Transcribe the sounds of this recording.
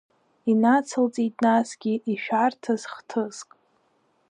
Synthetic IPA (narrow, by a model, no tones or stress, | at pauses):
inat͡sʰɨlt͡sʼitʼnasɡʲiʔiʃᶣartʰaz̥χtʰɨzkʼ